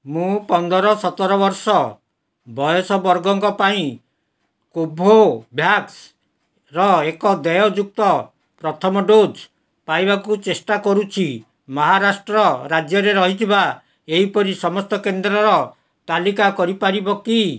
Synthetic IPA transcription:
mũpɔnd̪ɔɾɔsɔt̪ɔɾɔbɔɾsɔ | bʱɔjɔsɔbɔɾɡɔŋkɔpaĩ | kobʱobʱjaks | ɾɔekɔd̪ɛjɔd͡ʒuk̚t̪ɔ | pɾɔt̪ʰɔmɔɖod͡ʒ | paibakut͡ʃesʈakɔɾut͡ʃʰi | mɔɦaɾasʈɾɔɾad͡ʒjɔɾeɾɔɦit̪ʰiba | eɦipɔɾisɔmɔst̪ɔkend̪ɾɔɾɔ | t̪alikakɔɾipaɾibɔki

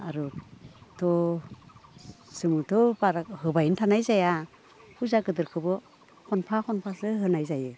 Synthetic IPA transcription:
a̰ɾutʰɔ | sɯmɯtʰɔbaɾahɯbajntʰanajzaja | hʰuzaɡɯdɯɾkʰɯbɯ | kʰɔnpʰakʰɔnpʰasɯɦɯnajzajɯ

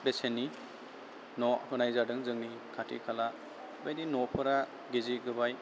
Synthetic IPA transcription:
besenːi | nɔhɯnajzadɯŋzɯŋni | kʰatʰḭkʰala | bajdinɔpʰɯɾa | ɡeziɡɯbaj

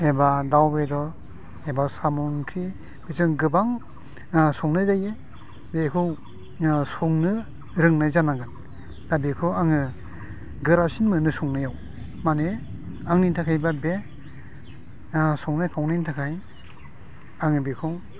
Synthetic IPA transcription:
ebadawbedɔɾ | ebasamɔŋkʰi | b̥ezɯŋɡɯbaŋ | sɔŋnɯzaje | bekʰɯw | sɔŋnɯ | ɾɯŋnajzanaɡɯn | d̥abekʰɯwaŋɯ | ɡɯɾasinmɯnɯsɔŋnɯjaw | mane | aŋnintʰakʰajbabe | sɔŋnajpʰawnintʰakʰaj | aŋɯbekʰɔŋ

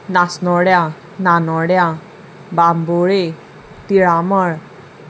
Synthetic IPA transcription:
nasnɔɽja | nanɔɽja | bamboɾe | t̪iɾamɔɾ

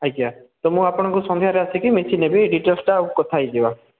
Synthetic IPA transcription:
ajkːat̪ɔmũapɔɽ̃ɔ̃ŋkusɔ̃nd̪ʱjaɾeasikimet͡ʃʰinebeɖiʈɔsʈaũkɔt̪ʰajd͡ʒeba

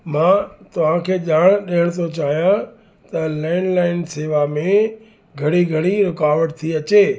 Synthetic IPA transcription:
mãːt̪ɐʋ̤ãkʰeːʄaːɽ̃ɗiɦəɽ̃t̪ʰot͡ɕaːɦijã | t̪ɐlaːɪnlaːɪnseːʋamẽ | ɡʱɐɽ̃iɡʱɐɽ̃iɾɪkaːʋəɽt̪ʰiɐt͡ɕeː

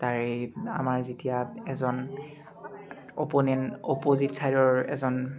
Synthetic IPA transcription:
taɹea̰maɹzitijaɛzɔn | opɔnɛnopozitsʰaɹɔɹɛ̰zɔn

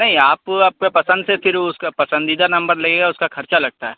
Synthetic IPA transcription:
nɐɦĩaːpaːp̚kapɐsə̃nd̪sepɪɾʊskapɐsə̃nd̪iːd̪anɐ̃mbəɾleɡeɡaʊskakʰɐɾt͡ʃalɐɡ̚t̪aɦɛː

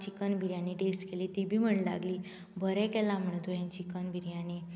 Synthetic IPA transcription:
t͡ɕikənbʱiɾjaniʈeskeliːt̪ibʱiːm̤əɳla̰ɡliː | bʱəɾɛkɛlam̤əɳ̃t̪ojãt͡ɕikənbʱiɾjane

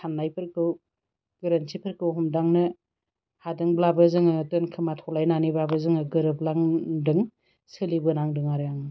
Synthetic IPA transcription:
sʰanːajpʰɯɾkʰɯw | ɡ̥ɯɾɯnsipʰɯɾkʰɯwɦɔmdaŋnɯ | hadɯŋblabɯzɯŋɯtɯnkʰɯmatʰɔlajnanibabɯzɯŋɯɡɯɾɯplaŋdɯŋ | sɯlibɯnaŋdɯŋaɾɯjaŋɯ

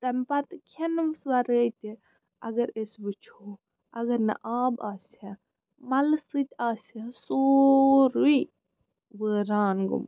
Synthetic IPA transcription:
t̪ɐmpat̪kʰensʋaɾət̪i | ɐ̰ɡɐɾesbɨt͡ʃʰo | ɐɡɐɾnɐ̰ʔaːbaːsɐ | mɐlsɨt̪ʲaːsesoɾui | ʋəːɾaːnɡṵm

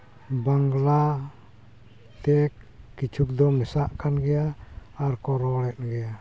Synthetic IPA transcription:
baŋɡla | t̪ɛk̚ːit͡ʃuk̚d̪ɔmɛsaʔkʰanɡɛaːrkɔɾɔlɛt̪̚ɡɛa

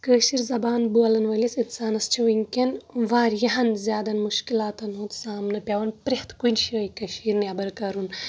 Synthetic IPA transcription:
kəːʃiɾzɐbaːnbuɐlɐnʋɐlʲisit̪saːnɐst͡ʃʰiʋɐŋkʲɐnʋaːɾjɐɦɐnzʲjaːd̪ɐnmuʃkilaːt̪ɐnɦuːt̪saːmnɐpʲɐʋɐnpɾeht̪ʰkujnʃiɐjkɐʃiːɾnɐbɐɾkɐɾun

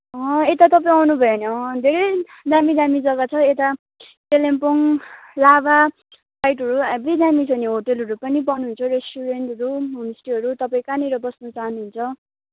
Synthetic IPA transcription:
ʌ̃et̪at̪ʌpaĩawnubʱʌjenʌʌd̪ʱeɾʌ | d̪amid̪amid͡zʌɡat͡sʰʌet̪a | ʈelempoŋlaba | pajʈɦʌɾuabid̪amit͡sʰʌniɦoʈʌlɦʌɾupʌnibʌnuɦunt͡sʰʌɾesʈuɾenʈʌɾumunsi̥ʈiɦʌɾut̪ʌpaĩkaniɾʌbʌsnʌt͡saɦʌnuɦunt͡sʰʌ

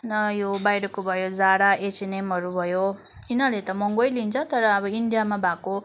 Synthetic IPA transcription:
nʌjobajɾʌkobʱʌjod͡zaɽaet͡sinemɦʌɾubʱʌjo | inalet̪ʌmʌŋɡʌjlint͡sʰʌt̪ʌɾʌːbʌinɖijamabʱako

